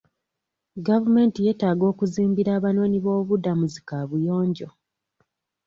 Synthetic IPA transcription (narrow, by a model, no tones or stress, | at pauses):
ɡavume̞ːntije̞ːtaːɡo̞ːkuziːmbiɾaːβano̞ːniβo̞ːβudamuzikaːβujo̞ːɲɟo̞